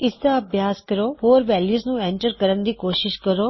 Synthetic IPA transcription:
ɪsd̪aɐbʱjaːskɐɾoɦoːɾʋɛːljuːznũẽɳʈəɾkɐɾənd̪iːkoːʃɪʃkɐɾoː

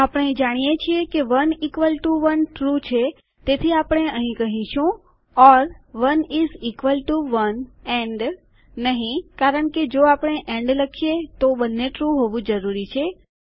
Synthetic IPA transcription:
apəɳ̃ed͡ʒaɽ̃ijet͡ʃʰiekeʋənikʋəlʈuʋənʈɾut͡ʃʰe | t̪et̪ʰiapəɽ̃eəɦĩkəɦĩʃũ | ɔɾʋənizikʋəlʈuʋəneɳɖː | əɦĩkaɾəɳked͡ʒoapəɳ̃eʔẽɳɖləkʰijet̪obənːeʈɾuɦoʋũd͡ʒəɾuɾit͡ʃʰe

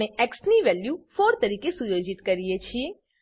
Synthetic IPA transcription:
eeksniʋɛljufoɾt̪əɾikesujod͡ʒit̪kəɾijet͡ʃʰie

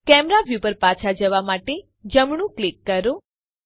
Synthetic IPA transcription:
kɛmɾaʋjupəɾpat͡ʃʰad͡ʒəʋamaʈe | d͡ʒəmɳũklikːəɾo

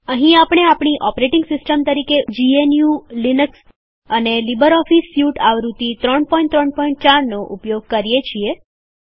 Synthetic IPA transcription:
əɦĩapɽ̃eapɳ̃iʔɔpɾeʈɪŋɡsɪsʈəmt̪əɾiked͡ʒienjulinəks | ənelibəɾɔfisjuʈaʋɾut̪it̪ɾəɳpɔĩɳʈt̪ɾəɳ̚pɔĩɳʈ̚t͡ʃaɾnoʔupjoɡ̚kəɾijet͡ʃʰie

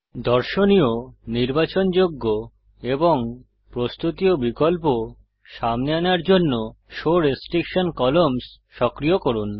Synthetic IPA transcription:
d̪ɔɾʃonijoniɾbat͡ɕond͡ʑoɡːo | eboŋ | pɾost̪ut̪iobikolpo | ʃamneanaɾd͡ʑonːo | ʃoɾesʈɾikʃonkɔloms | ʃɔkɾijokoɾun

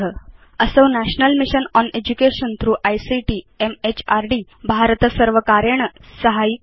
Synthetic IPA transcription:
ə | əsəʋnæɕnəlmiɕənɔned͡ʑukeɕənt̪ʰɾuːʔajsiʈiː | emet͡ɕaɾɖiː | bʱaɾt̪əsəɾʋəkaɾeɳ̃əsəɦai

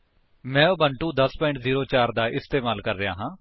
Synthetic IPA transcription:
mɛ̃ːoːbəɳʈũːd̪əspɔːɪɳʈziːɾoːt͡ʃaːɾd̪aːʔɪst̪eːmaːlkəɾːɪja̰ːɦãː

